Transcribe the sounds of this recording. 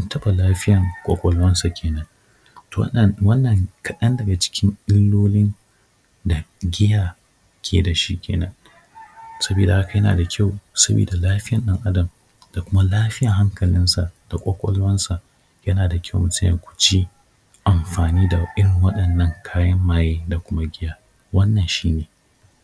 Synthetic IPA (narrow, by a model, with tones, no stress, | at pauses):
ʔʊ˦ntɐ˦ɓa˨laː˦ɸɪ˦jɐ˨ŋkʷʼɔ̰˦kʷʼɔ˨lwɐ˦nsa˨kʲʰeː˨nɐ˦n | twɐ˦nːɐ˨ŋkʰɐ˨ɗɐ˦ndɐ˨ɡa˨t͡ʃɪ̥˦kʲɪ˦ŋɪ˦lːoː˦lɪ˦n | da˨ɡʲɪ˦jaː˨ | kʲʰḛː˨da˨ʃi˦kʲʰḛː˨nɐ˦n | sɐ˦beː˨da˨ha˦ka˨jɐ˦na̰ː˨da˨kʲʰa˦˨wsɐ˦bḛː˨da˨laː˦ɸɪ˦jɐ˨nɗɐ˦ŋʔa˦dɐ˨m | d̥a˨kʷʊ˦ma˦laː˦ɸɪ˦ja˨ɦa˦ŋkɐ˨lɪ˦nsa˨ʔd̥a˨kʷʼɔ˦kʷʼɔ̰˦lwɐ˦nsa˨ʔ | jɐ˦naː˨da˨kʲʰa˦wmʊ˨˦tjɐ̰˨kʷʊ̥˨t͡ʃi˦ | ʔa˨mɸaː˨niː˦da˨ʔɪ˦ɾɪ˨ŋwɐ˦ɗɐ˨nːɐ˦ŋkʰaː˦jɐ˦mːaː˨jeː˦da˨kʷʊ˦ma˦ɡʲɪ˦jaː˦ | wɐ˦nːɐ˨nʃiː˦neː˨